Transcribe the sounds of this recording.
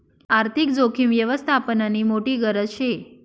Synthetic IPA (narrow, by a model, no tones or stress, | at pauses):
aɾt̪ʰik̚d͡zokʰimʋjəʋəst̪ʰapənanimoʈiɡəɾəʃʰe